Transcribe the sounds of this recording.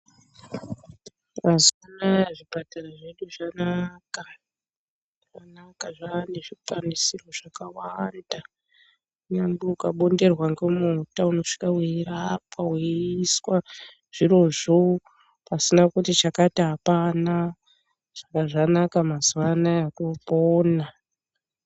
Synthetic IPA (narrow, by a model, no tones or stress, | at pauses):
mazuwanajaʐibataraʐe̞ɗuʐanaka | ʐanakaʐaneʐipanisiro̞ʐ̥akawanda | ɲambuukaɓo̞nde̞rwaŋɡemutauno̞ʂi̥kaweirapaweiswa | ʐ̥iɾo̞ʐo | pasinakutit͡ʃakatiɦapana | ʐ̥akaʐanakamazuwanajakupoːna